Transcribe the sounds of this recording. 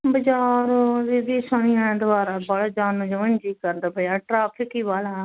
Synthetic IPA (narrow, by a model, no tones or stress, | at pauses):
bəd͡ʒaːɾd̪iːd̪iːsanĩãd̪ʊbaːɾaːbaɽad͡ʒaːnõːd͡ʒəʋənd͡ʒiːkəɾd̪abəaːʈɾaːpʰɪkiːʋaːlaː